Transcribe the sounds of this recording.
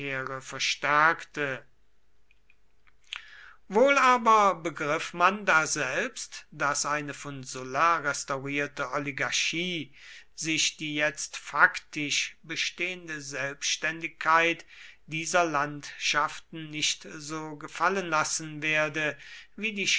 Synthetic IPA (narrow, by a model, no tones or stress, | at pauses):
eːʁəfɛɐʃtæɐktə | voːlaːbɐbəɡʁɪfmandaːzɛlpstd̥asʔaɪnəfɔnzʊlaʁɛstaʊʁiːɐtəʔɔliɡaɐʃiː | zɪʃd̥iːjɛt͡stfaktɪʃbəʃteːəndəzɛlpʃtɛndɪkʰːaɪtd̥iːzɐlantʃaftn̩nɪʃtzoːɡəfalənlasn̩veːɐdəviːdiːʃ